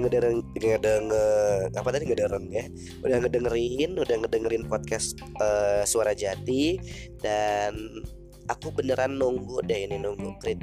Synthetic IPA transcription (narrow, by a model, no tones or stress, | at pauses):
ŋədəɾəŋədəŋəapat̪adiŋədəɾəŋja | udahŋədəŋɾinudahŋədəŋɾɪnpɔt̪̚kɛs | əsuaɾad͡ʒat̪idan | akubənəɾanːɔŋɡodahininɔŋɡukɾit̪